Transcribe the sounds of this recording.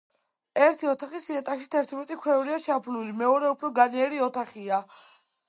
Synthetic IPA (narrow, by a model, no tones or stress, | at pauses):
ɛɾt̪ʰiɔt̪ʰaχisiɛt̪ʼaʃit̪ʰɛɾt̪ʰmɛt̪ʼikʰwɛuɾiaʃapʰlulimɛɔɾɛupʰɾɔɡanɛɛɾiɔt̪ʰaχia